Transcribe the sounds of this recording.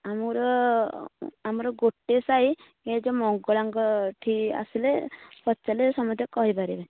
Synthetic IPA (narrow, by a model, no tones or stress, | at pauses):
amɔɾɔ | amɔɾɔɡoʈːesaj | ed͡ʒɔmɔŋɡɔɭaŋɡɔʈʰia̰silepɔt͡ʃalesɔmɔd̪ʱjɔkɔɦipaɾibe